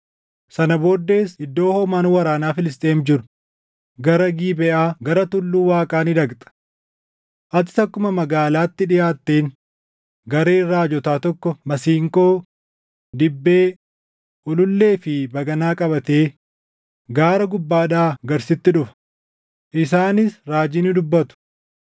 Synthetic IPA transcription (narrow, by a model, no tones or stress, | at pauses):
sɐnɐbo̞ːd̪ːe̞ːsɪd̪ːo̞ːhoːmaːnwɐɾaːnaːfɪlɪs̬t̪ʼeːmd͡ʒɪɾʊ̥ | ɡɐɾɐɡiːbɛʔaːɡɐɾɐt̪ʊlːuːwaːkʼaːnɪd̪ɐɡt̪ʼɐ̥ | ʔɐt̪̬ɪ̥t̪ɐkːʊmɐmɐɡaːlaːt̪ːɪᶑɪjaːt̪ːeːn | ɡɐɾeːrːaːd͡ʒɔt̪aːt̪ɔkːɔmɐsiːŋko̞ː | d̪ɪbːe̞ː | ʔʊlʊlːe̞ːfɪbɐɡɐnaːkʼɐbɐt̪e̞ː | ɡaːɾɐɡʊbːaːᶑaːɡɐɾsɪt̪ːɪᶑʊfɐ̥ | ʔɪsaːnɪsɾaːd͡ʒɪnɪd̪ʊbːɐt̪ʊ̥